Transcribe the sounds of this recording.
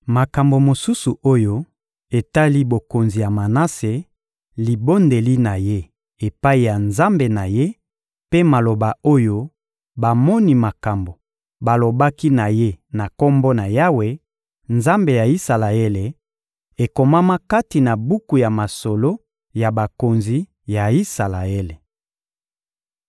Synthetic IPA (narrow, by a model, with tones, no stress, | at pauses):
ma˨ka˨mbo˨mo˨su˦su˨ʔo˦jo˦ | e˨ta˦li˦bo˨ko˨nzi˨ja˨ma˨na˦se˨ | li˨bo˦nde˨li˦na˨je˦ | e˨pa˦i˨ja˨nza˦mbe˨na˨je˦ | pe˦ma˨lo˨ba˨o˦jo˦ | ba˨mɔ˦ni˦ma˨ka˨mbo˨ | ba˨lo˨ba˦ki˦na˨je˦na˨ko˦mbo˦na˨ja˦we˨ | nza˦mbe˨ja˨i˦sa˨la˨e˦le˨ | e˨ko˨ma˦ma˦ka˦ti˨na˨bu˦ku˨ja˨ma˨so˨lo˦ | ja˨ba˨ko˨nzi˨˦ | ja˨i˦sa˨la˨e˦le˨